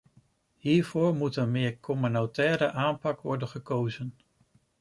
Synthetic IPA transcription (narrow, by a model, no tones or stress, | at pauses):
ɦiːɹv̥ʊːɹmutənmɪːɹkʰɔmynotɛːɾəʔaːnpɑkʋɔɹdənχəkowzən